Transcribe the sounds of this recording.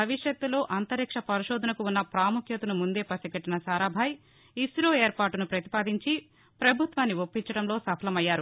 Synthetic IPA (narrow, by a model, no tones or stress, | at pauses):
bʱɐʋiʂjɐt̪ːulo̞ːʔɐnt̪ɐɾikʂɐpɐɾiʃoːd̪ʱɐnɐkuunːɐpɾaːmukʰjɐt̪unumund̪e̞ːpɐsɐɡɐʈːinɐsaːɾaːbʱaːj | isɾoːeːɾpaːʈunupɾɐt̪i̥paːd̪iɲt͡ʃi | pɾɐbʱut̪ʋaːnːiopːiɲt͡ʃɐɽɐmlo̞ːsɐpʰɐlɐmɐjːaːɾu